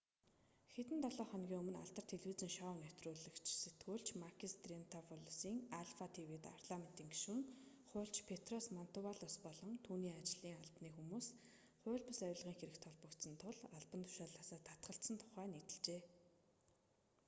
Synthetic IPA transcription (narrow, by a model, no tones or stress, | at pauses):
xet̪ɘ̆nt̪ʰɔɮɔːχɔnɡʲiːŋɵmɵ̆na̰ɮt̪ə̆r̥t̪ʰeɮwiːt͡sɘ̆ŋʃɔːwnɵt̪rʊːɮɘ̆kt͡ɕʰset̪ɡuːɮt͡ɕmakʰist̪ren̥t̪ʰapʰʊɮsiːŋaɮfat̪ʰiwet̪a̰rt̪ɮamen̥t̪iːŋɡi̥ʃwɘ̆ŋ | χʊ̟ːɬt͡ɕpʰet̪rɔsmɔn̥t̪ʊwaɮɔspɔɮɞ̆ŋt̪ʰuːniːat͡ɕɮiːŋaɮpniːxumuːs | χʊ̟ːɮpə̆sœjʊːɮʁiːŋxeɾɘ̆kt̪ʰɔɮpə̆kt̪sə̆nt̪ʰʊɮaɮpə̆nt̪ʰʊ̥ʃaːɮaːsaːt̪ʰːat̪ɢə̆ɬsə̆nt̪ʰʊ̥χæːnit̪ɘ̆ɮt͡ɕeː